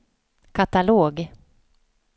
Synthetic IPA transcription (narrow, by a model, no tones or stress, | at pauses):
kʰat̪aloːɡ